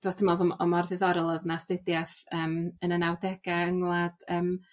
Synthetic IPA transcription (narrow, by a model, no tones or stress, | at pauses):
d̥watʰɪmɔðɔmɔmɔrðɪðɔɾɛlˠəðnastɪdjaθəːmənənawdɛɡ̥aəŋlˠad̥əːm